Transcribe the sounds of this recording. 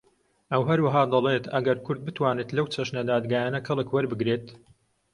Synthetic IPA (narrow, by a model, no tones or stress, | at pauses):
ʔɐwɦɐɾwaɦaːd̪ɐlet̪ɐɡɐɾkʰʊɾd̪̚bɨt̪ʰwaːnet̪lɐwt͡ʃʰɐʃnɐd̪aːd̪ɡaːjaːnɐkʰɐlˠɨkwɐɾbɨɡɾeːt̪